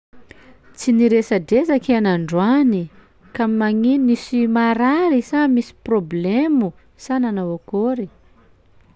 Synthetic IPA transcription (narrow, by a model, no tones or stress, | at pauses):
t͡siniɾesadezakianaɳɖ͡ʐwani | kamimaŋinːisimaɾaɾisamisi̥problemu | sananavokoɾi